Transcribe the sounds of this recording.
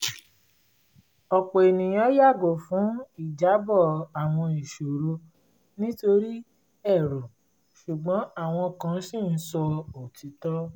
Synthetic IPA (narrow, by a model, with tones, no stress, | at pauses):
ɔ˨k͡po˨e˨nĩ˨j̃ɔ̃˧˦ja˦˨ɡo˨fũ˨˦i˦˨d͡ʒa˨˦bɔ˦˨a˨w̃ɔ̃˧i˨ʃo˨ɾu˧ | nĩ˦to˧ɾi˦ | ɛ˦˨ɾo˨ | ʃu˨ɡ͡bɔ̃˨˦a˦˨w̃ɔ̃˧˨kã˧˦si˦˨n̩˦sɔ˧o˨ti˨˦tɔ˦